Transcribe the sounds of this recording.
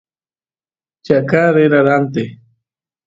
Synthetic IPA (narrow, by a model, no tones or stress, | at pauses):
t͡ʃakaɾeɾaɾant̪ɪ